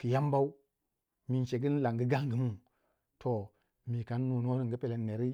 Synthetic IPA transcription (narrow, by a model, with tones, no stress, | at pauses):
ki˨ja˦m˦ba˦w | mi˨nt͡ʃe˨ɡi˦n˦la˨ŋɡə˦ɡa˦ŋɡə˨mu˦ | tʰo˨ | mi˨ka˨nː˦u˨n˦o˦ni˨ŋɡə˦pe˨le˨nːe˨ɾi˦